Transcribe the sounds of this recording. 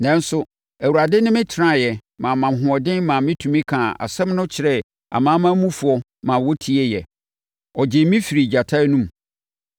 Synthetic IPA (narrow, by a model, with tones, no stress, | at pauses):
nɛ̃˦n˦sʊ˦ | æ˨wu˨ɾa˨dɪ˦nɪ̃˦mɪ̃˦tʰɪ˨ɾã˦˨jɛ˨mã˨mã˨m˨ɦʊ̃˨ɔ˨dɪ̃˦nmã˨mɪ̃˦tʰũ˨mĩ˦kʰã˨a̰˨sɛ̃˦mnʊ̃˦t͡ɕʰɪ˨ɾɛ˦ | a̰˨mã˦mã˦mũ˦fu˨˦ɔ˦ | mã˨wɔ˦tʰi˦ɛ˦jɛ˨ | ɔ˨d͡ʑɪ˨mĩ˦fi˨ɾi˨d͡ʑa˨tʰa˦nũ˦m